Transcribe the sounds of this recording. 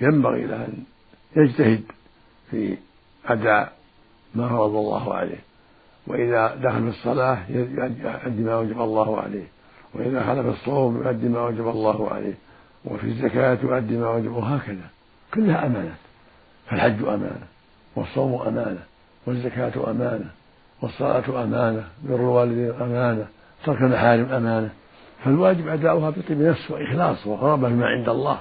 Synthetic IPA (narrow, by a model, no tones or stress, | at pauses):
jamba̰ɣḭʔlaʔan | jad͡ʒt̪ahɪd̪ | fḭ | ʔad̪aːʔ | maːhɑɾˤɑd̪ˤɑlˤːɑ̰ːhʕa̰lḛːh | wɪ̰ʔɪðad̪axalfisˤːɑlaːħjjajʔad̪ːimaːwad͡ʒabɑlˤːɑːhʊʕa̰lḛːh | wɪʔɪðaxalafisˤːowːmjʊ̰ʔad̪ːimaːwad͡ʒabɑlˤːɑːhʊʕa̰lḛːh | wɪ̰fḭzːakaːt̪jʊʔad̪ːimaːwad͡ʒabwɦaːkaða | kʊlːhaʔamaːnaːt̪ | falħad͡ʒːʔa̰ma̰ːna | wɑsˤːowmʔa̰maːna | wazːakaːt̪ʔa̰maːna | wɑsˤːɑla̰ːt̪ʔamaːnabʊrwaːlɪd̪iːnʔamaːna | t̪ɑɾˤkalmaħaːɾɪmʔamaːna | falwaːd͡ʒɪbʔad̪aːʔʊhabɪt̪ˤiːbnafswɪʔɪxlɑːsˤwɪɣɑɾˤɑbafimaʕɪ̰nd̪ɑlˤːɑ̰ː